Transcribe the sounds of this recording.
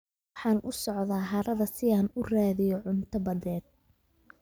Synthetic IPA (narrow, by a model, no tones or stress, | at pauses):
ħɑːnʔʊsɔʕðaːɦɐɾɐðɐsɪaːnʊraːðɪjɔʕʊnt̪ʰɐbɐd̪ɛːd̪̥̚